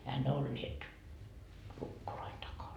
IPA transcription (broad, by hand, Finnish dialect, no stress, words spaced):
ehæ ne olːiet lukːoloin tɑkɑn